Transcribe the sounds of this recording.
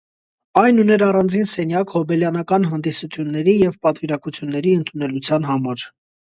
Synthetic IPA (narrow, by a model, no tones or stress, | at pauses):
ɑjnunɛɾɑrɑnd͡zinsɛnjɑkhɔbɛljɑnɑkɑnɦɑnd̪isut͡s̪ʰjunːɛɾijɛvpɑt̪viɾɑkut͡sʰjunːɛɾiənt̪ʰunɛlut͡sʰjɑnɦɑmɑɾ